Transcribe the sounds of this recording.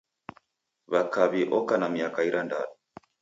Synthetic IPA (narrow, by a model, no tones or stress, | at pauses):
βakaβiʔɔkanamiakaiɾʔanda̰nɔ